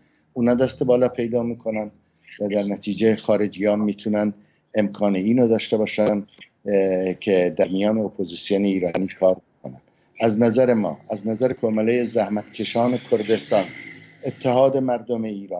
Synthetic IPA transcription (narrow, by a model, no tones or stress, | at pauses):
ʔuːnɒːd̪æst̪ebɒːlɒːpʰe̞jd̪ɒːmiːkʰo̞nænd̪ | væd̪æɾnæt̪ʰiːd͡ʒexɒːɾe̞d͡ʒijɒːnmiːt̪ʰunæn | e̞mkʰɒːneiːnod̪ɒːʃt̪e̞bɒːʃæn | kʰed̪æɾmijɒːne̞opʰoziːsijoːneiːɾɒːniːkʰɒːɾbokʰonæ̰ | æznæzæɾemɒ̰ːʔæznæzæɾekʰomelejezæhmæt̪kʰe̞ʃɒːne̞kʰoɾd̪e̞st̪ɒːnet̪ʰːehɒːd̪e̞mæɾd̪omeiːɾɑːn